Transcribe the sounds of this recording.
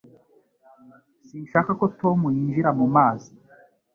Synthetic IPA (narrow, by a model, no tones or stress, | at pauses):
sinʃakako̞to̞mujiːnʒiɾamumaːzi